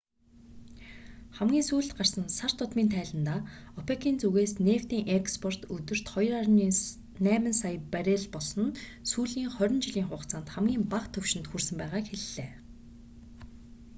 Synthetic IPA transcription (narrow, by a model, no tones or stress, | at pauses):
χæmɡʲiːnsuːɮt̪ɢar̥sə̆nsar̥t̪ʰʊt̪miːnt̪ʰæːɮə̆nt̪aːɔpʰekʰiːnt͡suɣeːsneːwt̪iːŋʔekspʰɔr̥t̪ɵt̪ɵ̆r̥t̪χɔjrarnː | næːmə̆nsajpæɾʲeːɮpɔɮsɞ̆n | suːɮiːŋχœɾʲɪ̆nt͡ɕɪɮiːŋχʊːqt͡saːnt̪χæmɡʲiːmpaqt̪ʰɵwʃɪ̆nt̪xursɘ̆mpæːʁaːkxeɮːeː